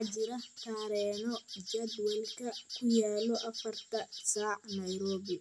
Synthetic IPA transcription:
t͡ʃɪɾɐht̪ʰaːɾɛːnɔd͡ʒɐd̪wɐlkʰɐkʰʊjaːlɔʔɐfɐrt̪ʰɐsaːʕnɐjɾɔːβɪ

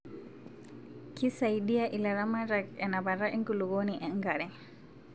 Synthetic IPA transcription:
kisajɗijaʔilaɾamaɾakɛnabaɾaʔiŋkuluɡoːniʔɛŋɡaɾɛ

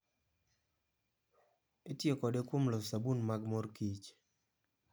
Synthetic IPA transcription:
etjekɔdekwomlɔsabunmaɡmɔrkit͡ʃ

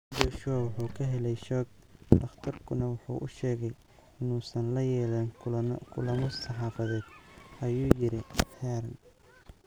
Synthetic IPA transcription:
bɔːʃɔwʊħuːkʰɐɦɛlɛjʃɔːɡ̚ | d̪̥ɐft̪ʰɐrkʰʊnɐwʊħṵːʔʊʃɛːɣɛj | ɪnuːsɐnlɐjɛːlɛnkʰʊlɐmɔsɑħɑːfɐðɛːd̪ʔɐjuːjɪɾɪjhɛːɾn

